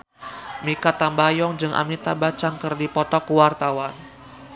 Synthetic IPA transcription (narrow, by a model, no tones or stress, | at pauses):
mikat̪ambajɔŋd͡ʒɨŋʔa̰mit̪abat͡ʃaŋkɨrdipɔt̪ɔkuwart̪awan